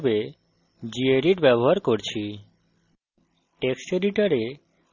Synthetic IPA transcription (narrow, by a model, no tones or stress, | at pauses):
be | d͡ʑieɾiʈbɛboɦaɾkoɾt͡ɕʰi | ʈeksʈeɖiʈaɾe